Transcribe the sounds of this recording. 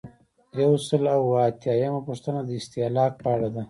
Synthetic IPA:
jawsəlawːt̪jɑjamapəʂt̪ənad̪əɪst̪ilɑːq̚pɑɽad̪a

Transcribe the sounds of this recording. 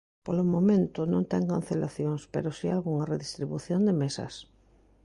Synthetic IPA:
polomõmẽnt̪ʊnõnt̪ɛŋkan̟θelaθjoŋspḛɾosialɣuŋareðist̪ɾiβuθjond̪emesɐ̰s

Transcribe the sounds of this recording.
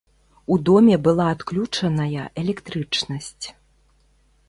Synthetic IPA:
ud̪ɔmʲɛbɨlˠaːt̪klʲut͡ʂɐnɐjɐʔɛlʲɛkt̪ɾɨt͡ʂnɐsʲt͡sʲ

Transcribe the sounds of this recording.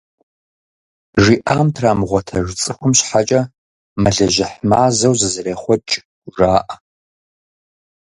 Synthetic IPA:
ʒiːʔaːmtʰraːmʁʷɔtʰɐʐt͡sʼɨxʷʊmɕħat͡ʃʼɐ | mɐɮɐʑɪħmaːzɐwzɨzɨreːχʷɔt͡ʃʼ | ʒaːʔ

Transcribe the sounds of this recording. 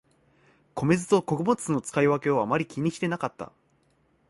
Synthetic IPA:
ko̞me̞zɨt̪o̞ko̞kɯ̟bo̞t͡sɨno̞t͡sɨ̥kaiβake̞o̞amaɾʲikʲiɲ̟ːiɕi̥t̪e̞nakat̪ːa̰

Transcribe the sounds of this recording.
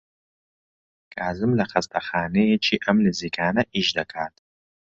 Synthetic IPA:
kʰʼaːzɨmlɐχɐst̪ʰɐχaːnejet͡ʃʰiːʔɐmlɨzikʰaːnɐʔiːʒd̪ɐkʰaːt̪ʰʼ

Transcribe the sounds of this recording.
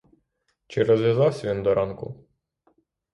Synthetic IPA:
t͡ʃɪɾɔzʋʲjazɑwsʲɐʋʲind̪ɔɾʔɑnkʊ̰

